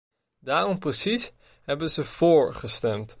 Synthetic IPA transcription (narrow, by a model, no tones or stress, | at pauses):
daːrɔmprəsis | ɦɛbənzəv̥oːɹχəstɛmt